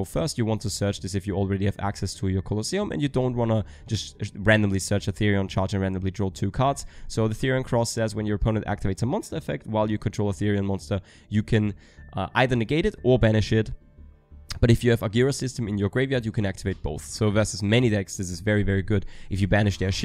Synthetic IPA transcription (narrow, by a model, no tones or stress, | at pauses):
fɜ˞stjɨwɑ̃ntʰɨsɜ˞t͡ʃðɪsɨfjɨl̩ˠɹɛɾiɨvæ̰ksɛstʰəjə˞kʰəlˠəsiə̃mʔɨ̰̃njɨdõʊ̃nt̚wɑ̃nə̥d͡ʒ̥ʌstɹæ̃ndɨ̃mlisɜ˞t͡ʃɨθɪɹiə̃nt͡ʃʰɑɹd͡ʒɨ̃nɹæ̃ndə̃mlidɹɔtʰʉkʰɑɹtssoʊðɨθɪɹiɨ̃nkʰɹ̥ɔsɛzwɨ̃njə˞əpʰõʊnɨ̃ntæ̰k̚tʰɨveɪtsəmɑ̃nstə˞fɛk̚t̚waɪlˠjɨkʰntʰɹ̥oʊlˠəθɪɹiɨ̃nmɑ̃nstə˞ | jɨkʰɨ̃n | ʔʔaɪðə˞nɨɡeɪɾɨɾə˞bæñɨʃɪt | b̥ʌɾɨfjɨːvəɡjɪɹəsɪstə̃mɨ̃njə˞ɡɹeɪvjɑɹdjɨkʰɨ̃næk̚tʰɨveɪt̚b̥oʊθsoʊvɜ˞sɨzmɛñidɛksðɪsɨzvɛɹivɛɹiɡʊɾʔɨfjɨbænɨʃðə˞ʃ